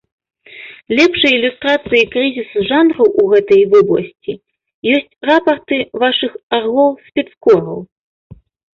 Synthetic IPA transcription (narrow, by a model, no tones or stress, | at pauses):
lʲɛpʂɐjilʲust̪ɾat̪sɨjikɾɨzʲisuʐanɾɐwʔuɣɛt̪ɐjvɨblˠɐ̰sʲt͡sʲi | jɔsʲt͡sʲrapɐrt̪ɨvaʂɨxarɣlˠɔwsʲpʲɛt̪skɔɾɐw